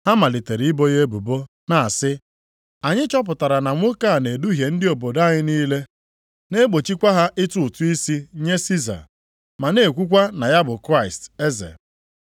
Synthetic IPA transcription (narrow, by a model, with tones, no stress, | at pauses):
ha˦ma˨lɪ˨te˨ɾi˨˦ɪ˦bo˦je˦bu˨bo˦ | na˨a˨sɪ˦ | a˨ɲɪ˦t͡ʃɔ˦p̬ʊ˨ta˨ɾa˨na˨ŋʷʊ˦ka˦˨ne˨du˦ɦje˨n̩˦dɪ˦o˨bo˨da˦ɲɪ˦niː˦le˦ | ne˦ɡ͡bo˨t͡ʃi˦kʷa˦ɦa˦ʔɪ˦tʊ˦˨tu˦i˦si˦ɲe˦si˦za̰˨ | ma˨ne˨kʷu˦kʷa˦na˨ja˦bʊ˨kɾa˦ɪ˨ste˦zḛ˨